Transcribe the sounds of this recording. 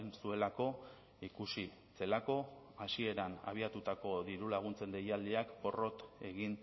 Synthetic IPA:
nsue̞lako̞ | ikusi | se̞lako̞asie̞ɾana̰β̞iat̪ut̪ako̞ðiɾulaɣ̞unt͡se̞nd̪e̞jald̪iakbo̞ro̞t̪e̞ɣin

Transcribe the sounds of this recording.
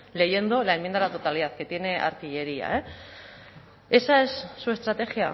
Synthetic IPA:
le̞ʝe̞nd̪o̞laemjend̪ðlat̪ot̪aliðaθke̞t̪je̞ne̞ʔa̰ɾt̪iʎe̞ɾia̰e | e̞sae̞sːue̞st̪ɾat̪e̞xja̰

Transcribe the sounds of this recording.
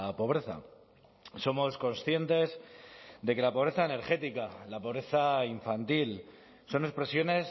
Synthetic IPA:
po̞β̞ɾe̞θa̰ | so̞mo̞sko̞nsθje̞nt̪e̞zd̪e̞ke̞lapo̞β̞ɾe̞θaene̞ɾxe̞t̪ikalapo̞β̞ɾe̞θaiɱfant̪il | so̞ne̞kspɾe̞sjo̞ne̞s

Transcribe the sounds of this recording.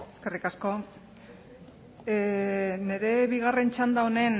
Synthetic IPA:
eske̞rikasko̞ | ne̞ɾe̞βiɣ̞are̞nt͡ʃand̪aone̞n

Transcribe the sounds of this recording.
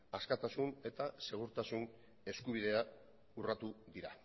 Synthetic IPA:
askat̪asune̞t̪ase̞ɣ̞uɾt̪asun | e̞skuβ̞iðe̞a | urat̪uðiɾa

